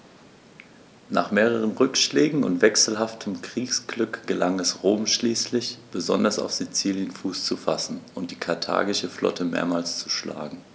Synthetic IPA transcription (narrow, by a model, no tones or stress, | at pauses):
naːχmeːʁ̞əʁ̞ənʁʏkʃlɛːɡŋ̩ʊ̰ntv̥ɛksl̩ɦaftʰəmkʁ̥iːksɡ̥lʏkɡ̥əlaŋɛsʁoːmʃliːslɪçb̥əzɔ̰ndɐsa̰ʊfz̥it͡siːljənfuːst͡sufasn̩ʔʊnt̚d̥iːkʰaɐtʰa̰ːɡɪʃəflɔ̰tʰəmḛːɐmaːlst͡su̥ʃla̰ːɡŋ̩